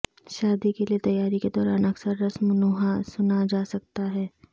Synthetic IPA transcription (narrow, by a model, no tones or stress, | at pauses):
ʃaːd̪ikeliet̪ɐjːaːɾiked̪ɔːɾaːnɐksəɾːɐsmʊnoɦasʊnad͡ʒaːsɐk̚t̪aɦɛː